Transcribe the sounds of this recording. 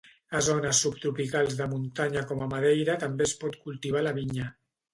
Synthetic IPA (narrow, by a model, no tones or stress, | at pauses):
azonəsːupt̪ɾupikalˠzðəmunt̪aɲakɔmamaðejɾət̪ambespɔt̪kulˠt̪iβ̞alaβiɲə